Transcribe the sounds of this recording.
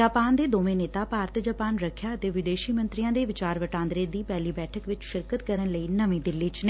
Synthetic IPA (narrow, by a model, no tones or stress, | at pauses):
d͡ʒaːpaːnd̪eːd̪oːʋẽːneːt̪aːpaːɾt̪d͡ʒaːpaːnɾəkʰːjaːət̪eːʋɪd̪eːʃiːmə̃nt̪ɾijãːd̪eːʋɪt͡ʃaːɾʋəʈãːnd̪ɾeːd̪iːpɛːliːbɛːʈʰəkʋɪt͡ʃʃɪɾkət̪kəɾənləiːnəʋĩːd̪ɪlːiːt͡ʃne